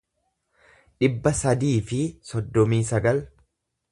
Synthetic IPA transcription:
ᶑɪbːɐsɐd̪iːfɪsɔd̪ːɔmiːsɐɡɐl

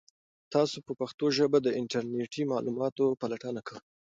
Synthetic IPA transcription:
t̪ɑsopəpaxt̪oʒəbad̪əɪɳʈaɾneʈimɑlumɑt̪opalaʈənakaw

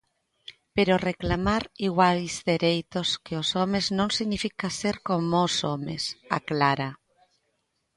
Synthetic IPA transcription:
peɾoreklamaɾiɣwajzðeɾejt̪oskeosɔmeznõŋsiɣnifikaseɾkomosomesa̰klaɾa

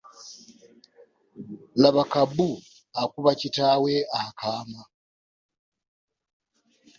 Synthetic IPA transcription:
laβakabu | akuβacitawe̞akʰaːma

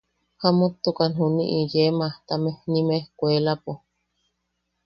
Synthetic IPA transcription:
hamut̪ːukanɦunḭʔijemat̪amenimehkʷelapu

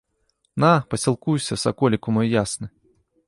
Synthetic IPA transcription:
napɐsʲilˠkujsʲɐsakɔlʲikumɔjjasnɨ

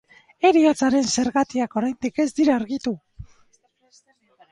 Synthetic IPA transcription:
e̞ɾiat͡saɾe̞nse̞ɾɣat̪iako̞ɾajnd̪ike̞zd̪iɾaːɾɣit̪u

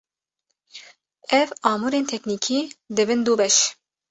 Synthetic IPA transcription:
ɛvɑːmuːɾeːnt̪ʰɛkniːkʰiːd̪ɨbɨnd̪uːbɛʃ

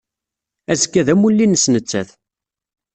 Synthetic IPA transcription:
æzəkːæðæmulːinəsnət͡sːæθ

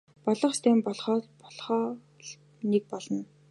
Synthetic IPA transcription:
pɔɮə̆χst̪ʰæːmpɔɮχɔːpɔɮχɔː | nek̚pɔɮɞ̆n

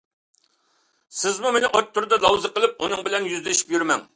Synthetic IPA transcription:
sɪzmumenɪʔot̪ʰːʊɾd̪ɑlˠɑwzəqəlˠɨp̚unɨŋbɪlɛnjyzlɪʃi̥pjyɾmɛ̰ŋ

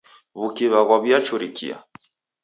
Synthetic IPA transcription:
βukiβaɣwaβjat͡ʃuɾikḭa̰

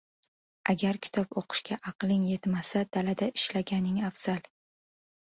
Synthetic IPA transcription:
ʔaɡʲaɾkʲʰɪ̥t̪ʰɒpoqʰɨ̥ʃkʲaʔɑqlˠɪŋje̞t̪masad̪̥alad̪aɪʃlaɡʲanɪŋafz̥al

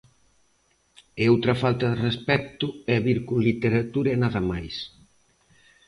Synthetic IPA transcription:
eowt̪ɾɐfalt̪ɐðerespɛk̚t̪ʊɛβiɾkuŋlit̪eɾat̪uɾenaðɐmajs

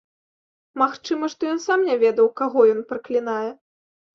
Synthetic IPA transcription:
maxt͡ʂɨmɐʂt̪ɔjɔnsamnʲavʲɛd̪ɐwkaɣɔjɔnpɾɐklʲinajɛ

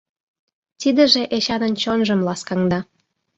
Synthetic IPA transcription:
t̪id̪ə̆ʒĕʔeɕɑnənt͡ɕonʒə̆mlɑskɑŋd̪ɑ

